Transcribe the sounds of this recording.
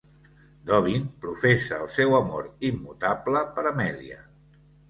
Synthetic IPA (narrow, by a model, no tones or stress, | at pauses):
d̪ɔβ̞inpɾufesəːlˠsɛwəmoɾimːut̪abləpəɾəmɛlḭə̰